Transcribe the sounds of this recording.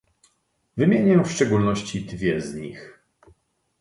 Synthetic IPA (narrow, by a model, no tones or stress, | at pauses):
vɘmʲjeɲɛfʂt͡ʂɛɡulnɔɕt͡ɕid̪vʲjɛzɲḭx